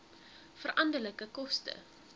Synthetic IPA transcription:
fərʔɐndələkəkɔstə̰

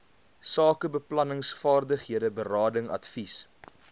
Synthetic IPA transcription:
sɑːkəbəplɐnəŋsfɑːrdəχɦiədəbərɑːdəŋɐ̰tfis

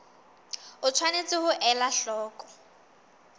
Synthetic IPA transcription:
ʊt͡sʰwanet͡sʼɪhʊʔɛlaɬɔːkʼɔ̥

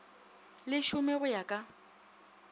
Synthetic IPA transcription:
lɪʃʊmɛɣʊjakʼa

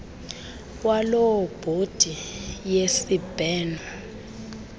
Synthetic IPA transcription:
walɔb̥ʱod̥ʱijesib̥ʱɛːna

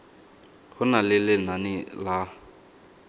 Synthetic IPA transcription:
ɣʊnalɪlɪnanɪla

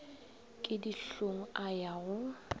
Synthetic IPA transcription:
kʼɪdiɬoŋ̩ajaːɣʊ

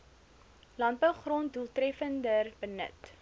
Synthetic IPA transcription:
lɐntbəwχrontduəlˠtrɛfəndərbənə̰t

